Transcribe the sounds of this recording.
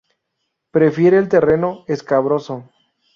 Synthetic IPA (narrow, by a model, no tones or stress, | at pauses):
pɾe̞fje̞ɾeːlt̪e̞re̞no̞eskaβɾo̞so